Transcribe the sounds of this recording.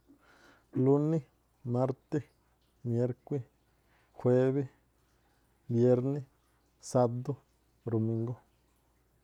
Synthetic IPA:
lu˦nĩ˦ | mã˦ɾt̪e˦ | mje˦ɾkʷi˦ | xwe˦βe˦ | bje˦ɾnĩ˦ | sa˧d̪o˦ | ɾo˨mĩ˧˦ŋɡo˦

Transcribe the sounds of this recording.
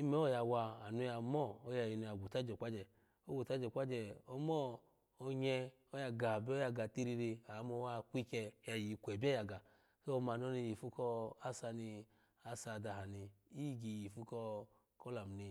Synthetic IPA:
i˦mɛ˦ɔ˦˨ja˧wa˧a˨nu˧˦ja˧mɔː˦˨˦ja˧˨ji˧nu˧ja˨ɡʷu˨ta˦d͡ʒɛ˨k͡pa˦d͡ʒɛ˧˨ | o˦ɡu˨ta˦d͡ʒɛ˨k͡pʷa˦d͡ʒɛ˧˨ɔ˧mɔː˦˨˧ | ɲɛ˧ | o˦ja˧ɡa˨bɛ˦ɔ˦ja˧ɡa˨ti˧ɾi˧ɾi˧a˨˦mo˧˦wa˦˧kʷi˦kɛ˧˦ja˧˨ji˨kʷɛ˨bɛ˦ja˧ɡa˨ | so˦˧ma˧˨n˦ɔ˦ni˧ji˨fu˦kɔ˧a˦sa˧ni˧ | a˧sa˧˨da˧ɦa˨ni˧i˦˨ɡi˨ji˨fu˦kɔ˧ | kɔ˦la˨m˨ni˧

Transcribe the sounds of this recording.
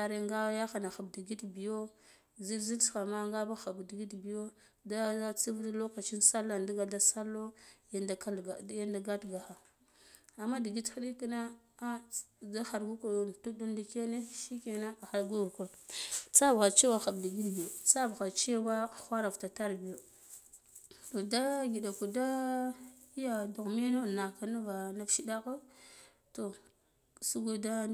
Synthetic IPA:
a˨ɾe˦ŋɡa˦ja˦xa˨na˨xa˨bdi˨ɡi˦tbi˨jo˦ | zi˦lzi˦lsxa˨ma˦ŋɡa˦ba˦xa˨bdi˨ɡi˦tbi˨jo˦ | da˦t͡si˦vdi˦lo˦ka˨t͡ʃi˦nsa˦lːa˨ndi˦ɡa˨da˦sa˦lːo˦da˨ka˦˨˦ja˦nda˨ɡa˦tɡa˨xa˨ | a˨mːa˦di˨ɡi˦txa˦ɗi˦ki˦na˦ | a˦ | da˦xa˨ɾɡu˦ku˨tu˦du˦ndi˨ke˦ne˦ʃi˦ke˨na˦a˨xa˨ɾɡu˦u˨ku˨ɾt͡sa˦bɣa˨t͡ʃi˦wa˦xa˨bda˨ɡi˦dɡi˨jo˨t͡sa˦bɣa˨t͡ʃi˦wa˦˨xʷa˦ɾa˨vta˨ta˦ɾbi˨jo˨ | to˨da˦ɡi˨da˨ku˨da˦ | i˦ja˨du˨ɣme˦no˦˨na˨ka˨na˦va˨na˦fʃi˦da˦ka˦ | to˨ | su˦ɡo˦da˦

